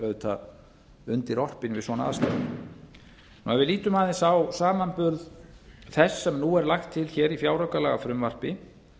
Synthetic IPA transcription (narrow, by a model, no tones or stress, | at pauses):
œðt̪ʰa | ʏnt̪ɪɾɔr̥pɪnvɪðsɔnaa̰ðst̪a̰ | nuɛvɪðliːt̪ʏmaːðɪnsawsaːmanpʏɾðθɛsːɛmnuɛɾlaxt̪ʰːɪlçɛɾifjaːwɾœkalɛɣafɾʏmvar̥pɪ